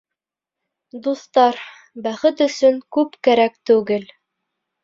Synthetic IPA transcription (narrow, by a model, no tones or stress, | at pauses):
d̪ust̪ɑɾ | bæχɘt̪ɵ̆sɵŋkʉpkæɾæk̚t̪ʉɡɘl